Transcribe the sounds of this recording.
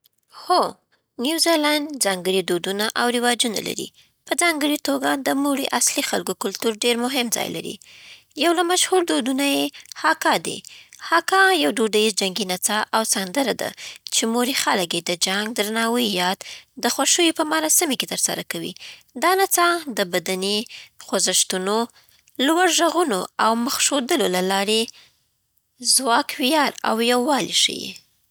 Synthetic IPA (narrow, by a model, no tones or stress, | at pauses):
xo | njuwzelanzɑŋɡəɽid̪od̪unaʔawɾɪwɑd͡ʒuna̰la̰ɾḭ | pəd͡zɑŋɡəɽit̪oɡad̪əmuɽiʔaslixalkokʊlt̪uɾɖeɾmʊɦɪmd͡zɑ̰jla̰ɾḭ | jawlamaʃhuɾd̪od̪unajehɑkɑd̪ḭhɑkɑjawɖoɖaizd͡ʒaŋɡinat͡sɑʔawsand̪əɾad̪a̰t͡ʃemoɾixaləkjed̪əd͡ʒaŋɡ̚d̪ɾanɑwəjɑd̪d̪əxwaʃəjopəmaɾɑsɪmeket̪əɾsa̰ɾakawḭ | d̪ɑnat͡sɑd̪əbad̪anexozəʃt̪uno | lwaɾʒaɣunoawməxʃod̪əlolalɑɾe | zwɑkwijɑɾa̰wjawːɑlḭʃə̰jḛ